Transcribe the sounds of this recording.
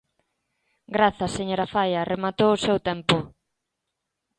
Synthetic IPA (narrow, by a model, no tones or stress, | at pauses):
ɡɾaθɐseɲoɾɐfajɐremat̪owʊsewt̪ɛmpʊ